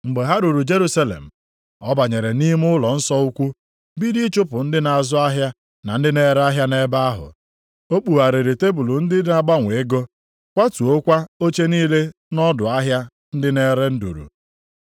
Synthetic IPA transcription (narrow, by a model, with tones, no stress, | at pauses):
ŋ͡m̩˨ɡ͡be˨ɦa˦ɾu˨ɾu˨d͡ʒe˦ɾu˦sa˦lḛ˨m̩˨ | ɔ˦ba˨ɲe˨ɾe˨ni˦m˦ʊ˦lɔ˨n̩˦sɔ˦u˦kʷu˦ | bi˦di˦t͡ʃʊ˦pʊ˨n̩˦dɪ˦na˨zʊ˦a˦ɦja˦ | na˨n̩˦dɪ˦ne˦ɾa˦ɦja˦ne˦ba˦a˦ɦʊ̰˨ | o˦k͡pu˨ɦa˨ɾɪ˨ɾe˨te˦bu˨lu˨n̩˦dɪ˦dɪ˦na˨ɡ͡ba˦ŋʷe˨e˦ɡo˦ | kʷa˦tu˨o˦kʷa˦o˦t͡ʃe˦niː˦le˦ | nɔ˦dʊ˨a˦ɦja˦ | n̩˦dɪ˦ne˦ɾe˦n̩˦dṵ˨ɾṵ˨